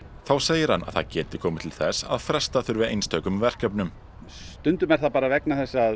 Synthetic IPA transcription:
θawseːjɪɾ̥hanːʔa̰ðθa̰ðcɛːt̪ɪkʰɔːmɪt̪ʰɪlθɛsa̰ðfɾɛst̪aθʏɾvɪðejnst̪œːɥkʏmvɛr̥kœpnʏm | t̪ʏnt̪ʏmɛɾ̥θapaːɾavɛknaθɛsːa

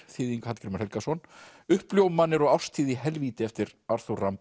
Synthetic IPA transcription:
θɪðiŋkhat̪kɾmʏɾ̥hɛlkasɔn | ʏhpljowmanːɪɾɔɣawst̪ʰiːðiɦɛlviːt̪ɪɛft̪ɪɾaɾ̥θuram

